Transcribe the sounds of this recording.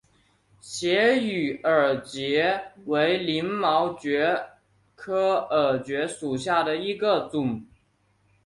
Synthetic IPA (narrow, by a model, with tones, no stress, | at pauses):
ɕjɛ˧˥y˨˩ə˞˨˩t͡ɕjɛ˧˥we˧˥ɪli˧˥ŋmɑ˧˥ʊt͡ɕɥɛ˧˥ | kʰɤ˥ə˞˨˩t͡ɕɥɛ˧˥ʂu˨˩ɕja˥˩d̪ə˩i˧˥ɡə˧t͡sʊ˨˩˦ŋ